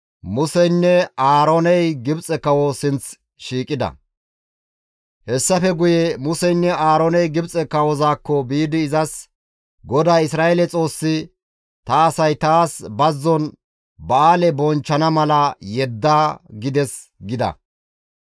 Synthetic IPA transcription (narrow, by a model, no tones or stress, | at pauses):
mʊsɛjnːɛaːɾonɛjɡɪbt͡sʼɛkɐwɔsɪnt͡s | ʃiːkʼːɪd̪ɐ̰ | hɛsːɐfɛɡʊjɛmʊsɛjnːɛaːɾonɛjɡɪbt͡sʼɛkɐwɔzaːkːɔbiːd̪ɪːzɐs | ɡɔd̪aːɪsɾaːɛlɛt͡sʼo̞ːsːɪ | t̪ɐːsɐjt̪aːsbɐzːɔn | bɐaːlɛbɔnt͡ʃːɐnɐmɐlɐjɛd̪ːaːɡɪd̪ɛs | ɡɪd̪ɐ̰